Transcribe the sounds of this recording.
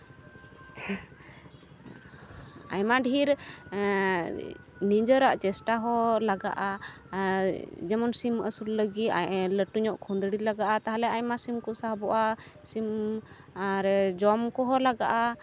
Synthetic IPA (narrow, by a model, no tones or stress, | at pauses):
a̰jmaɖʱiɾ | nid͡ʒəɾaʔt͡ʃɛsʈaɦɔlaɡa̰ʔa | d͡ʒɛmɔnsiməsulləɡit̪aləʈuɲɔʔkʰund̪ɽilaɡaʔat̪aɦalɛajmasimkɔsaɦbɔʔasim | aɾd͡ʒɔmkɔɦɔlaɡaʔa